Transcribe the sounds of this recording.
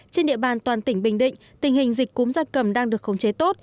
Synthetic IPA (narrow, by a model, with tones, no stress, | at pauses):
t͡ɕe˧nɗḭ˧˨əɓaː˨˩nt̪waː˨˩nt̪ï˧˩ŋ̟ɓï˨˩ŋ̟ɗḭ̈˧˨ŋ̟t̪ï˨˩ŋ̟hï˨˩ŋ̟zï˨˩k̟̚ku˨˦mzaː˧˩nkə˨˩mɗaː˧ŋɗɨ˨˩əkxə˨˦wt͡ɕe˨˦t̪o˦˥t̚